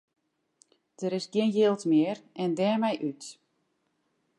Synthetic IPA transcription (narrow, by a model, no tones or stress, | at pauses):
d̥əɾɪsɡɪənjɪːlˠtmɪərɛndɛːmɛjʔyt